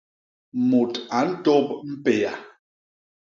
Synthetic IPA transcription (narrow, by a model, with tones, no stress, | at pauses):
mo˨ta˨n̩˦tɔ˦pm̩˦pe˨a̰˨